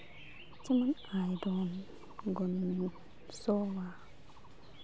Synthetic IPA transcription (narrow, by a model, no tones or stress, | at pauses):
timanajdoːn | ɡon | sɔwa